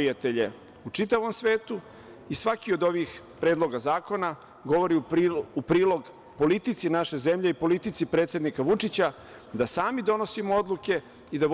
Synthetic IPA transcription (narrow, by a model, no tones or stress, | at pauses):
iat̪eʎe̞ | ut͡ʂit̪aʋo̞msʋe̞ːt̪u | isʋakio̞d̪o̞ʋixpɾe̞d̪lˠo̞ɡazaːko̞na | ɡo̞ʋo̞ɾiupɾiːlo̞ɡ | po̞lit̪it̪sinaʃe̞ze̞mʎe̞ipo̞lit̪it̪sipɾet̪sʲe̞d̪nikaʋut͡ʂit͡ɕa | d̪asaːmid̪o̞no̞simoo̞d̪lˠuke̞ | id̪aʋ